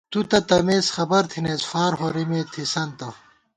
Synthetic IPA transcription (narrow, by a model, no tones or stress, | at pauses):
t̪ut̪ɐt̪ɐmeːsxɐbɐɾt̪ʰinesfaːɾɦoɾimet̪ʰisɐnt̪ɐ